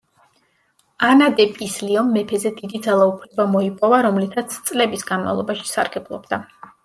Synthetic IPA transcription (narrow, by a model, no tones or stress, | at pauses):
anad̪ɛpʼisliɔmːɛpʰɛzɛd̪id̪id̪zalˠaupʰlɛbamɔipʼɔvaɾɔmlit̪ʰat̪sʰt̪sʼlɛbisɡanma̰vlˠɔbaʃi̥sa̰ɾɡɛblˠɔ̰bd̪a